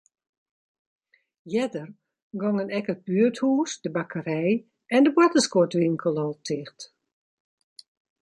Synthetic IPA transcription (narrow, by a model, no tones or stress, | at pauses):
jɛdər | ɡɔŋənɛkət̚byəthuːsdəbakʰəɾɛj | ɛndəbwatəskɔtʋiŋkʰəlˠɔːtʰɪxt